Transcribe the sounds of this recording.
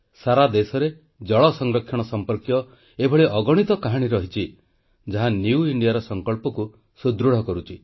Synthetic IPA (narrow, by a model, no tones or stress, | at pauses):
saɾad̪esɔɾe | d͡ʒɔɭɔsɔŋɡɾɔkʰjɔɽ̃ɔsɔmpɔɾkjɔ | ebʱɔɭiʔɔɡɔɽ̃it̪ɔkaɦaɽ̃iɾɔɦit͡ʃʰi | d͡ʒaɦanjiuiɳɖijaɾɔsɔŋkɔɭpɔku | sud̪ɾuɽ̤ɔkɔɾut͡ʃʰi